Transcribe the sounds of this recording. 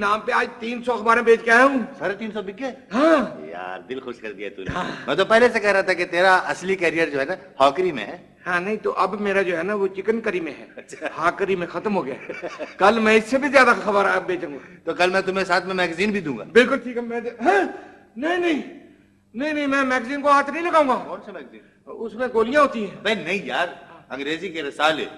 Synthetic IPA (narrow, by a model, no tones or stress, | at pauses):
nãːmpeaːd͡ʒt̪iːnsɔxɐbaːɾẽbeːt͡ʃkeaːɦũːsɐɾɛ̃t̪iːnsɔbɪkːe | ɦãːja̰ːɾd̪ɪlxʊʃkɐɾd̪ija̰t̪ṵːɦãːmɛ̰̃ːt̪opɛɦlesekɛɦɾaːat̪ʰaket̪eːɾaʔɐslikɛːɾijəɾd͡ʒoːɦɛnahaːkɾimḛ̃ɦɛː | hãːnɐɦĩt̪o̰ʔɐbmeːɾad͡ʒoːɦɛnaʋot͡ʃɪkənkəɾimẽɦɛ̰ːɐtːʃʰahaːkɾimẽxɐt̪mɦoːɡɐja̰ːkɐlmɛ̃ɪsːebʱizjaːd̪axɐbəɾabeːt͡ʃũŋɡat̪okɐlmɛ̃t̪ʊmesaːt̪ʰmẽmɛːɡziːnbʱid̪ũːŋɡaːbɪlkʊlʈʰiːkɛmɛ̃ɦɛ̃ | nɐɦĩnɐɦĩ | nɐɦĩnɐɦĩmɛ̃ːmɛːɡziːnkoɦaːt̪ʰnɐɦĩlɐɡaːũŋɡaːɔːt͡ʃʰmɛːɡziːn | ʊsmẽkoːlɪjãɦoːt̪iɦɛ̃ːbɐinɐɦĩjaːɾːɐ̃ŋɡɾeːzikeɾɐsaːlḛː